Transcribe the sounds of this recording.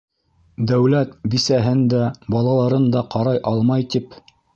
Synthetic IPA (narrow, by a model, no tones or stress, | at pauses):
d̪æwlæt̪bisæɦɘnd̪æbɑlˠɑlˠɑɾɤnd̪ɑqɑɾɑjʔɑlˠmɑjt̪ip